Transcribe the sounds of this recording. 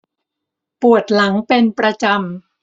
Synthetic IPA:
pu˨˩ət̪̚la˩˦ŋpe˧npɾa˧t͡ɕa˧m

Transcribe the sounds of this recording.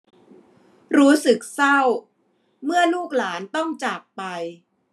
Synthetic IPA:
ɾuː˦˥sɯ˨˩k̚sa˥˩w | mɯ˥˩ɐluː˥˩k̚laː˩˦nt̪ɔ˥˩ŋt͡ɕaː˨˩k̚pa˧j

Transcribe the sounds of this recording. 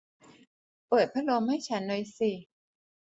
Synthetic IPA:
pɤː˨˩t̪̚pʰɾa˦˥lo˧mha˥˩jt͡ɕʰa˦˥nːoː˧jsi˧˩

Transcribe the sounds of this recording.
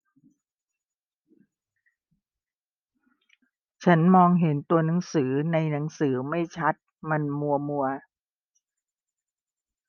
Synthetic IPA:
t͡ɕʰa˦˥nmɔː˧ŋɦe˩˦nt̪u˧ɐna˩˦ŋsɯː˩˦na˧jna˩˦ŋsɯː˩˦ma˥˩jt͡ɕʰa˦˥t̪̚ma˧nmu˧ɐmu˧ɐ

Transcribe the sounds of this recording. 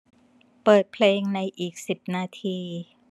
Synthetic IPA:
pɤː˨˩t̪̚pʰleː˧ŋna˧jʔiː˨˩k̚si˨˩p̚naː˧t̪ʰiː˧

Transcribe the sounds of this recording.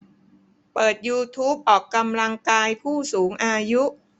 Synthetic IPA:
pɤː˨˩t̪̚juː˧t̪ʰuː˦˥p̚ʔɔː˨˩kːa˧mla˧ŋkaː˧jpʰuː˥˩suː˩˦ŋʔaː˧ju˦˥ʔ

